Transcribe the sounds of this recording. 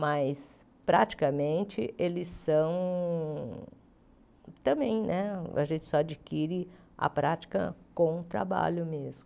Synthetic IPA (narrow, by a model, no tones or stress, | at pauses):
majs | pɾat͡ʃi̥kɐmẽnt͡ʃɪʔelɪsɐ̃w̃ | t̪ɐ̃bẽj̃nɛa̰ʒẽnt͡ʃɪ̥sɔad͡ʒikiɾɪ | ɐ̰pɾat͡ʃi̥kɐ̰kõw̃t̪ɾa̰ba̰ʎʊmezmʊ